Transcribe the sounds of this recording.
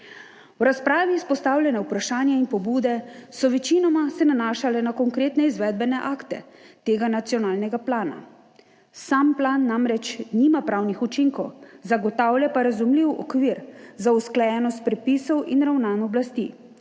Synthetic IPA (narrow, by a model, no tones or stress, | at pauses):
wɾaspɾaːʋiːspɔst̪awlʲjɛnɛupɾaʃaːnjainpɔbuːd̪ɛsɔʋɛt͡ʃinɔmasɛnanaːʃalɛnakɔŋkɾeːt̪nɛizʋɛd̪̚bɛnɛʔaːkt̪ɛt̪eːɡanat̪sijɔnaːlnɛɡaplaːna̰ | samplaːnːamɾɛt͡ʃniːmapɾaːwnixut͡ʃiŋkɔwzaɡɔt̪awljapaɾazumliwɔ̰kʋiɾzausklajɛnɔst̪̚pɾɛpiːsɔwinɾawnanɔblast̪ḭ